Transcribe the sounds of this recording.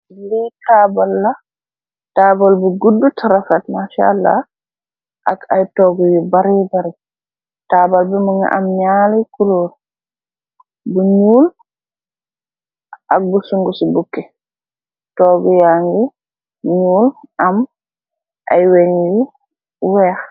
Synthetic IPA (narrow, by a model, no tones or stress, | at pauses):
ilitʰaːbalːa | taːbalbuɡudːutʰaɾafatmaʃa̰lːa̰ | ʔakajtɔɡɔjibaɾɛbaɾɛ | tabalbɛmuŋa̰ʔa̰mɲaːlɛkuloɾ | buɲuːl | ʔak̚busuŋɡusibukːɛ | tɔːɡujaŋɡi | ɲuːlʔam | ʔa̰jweɲji | wɛːx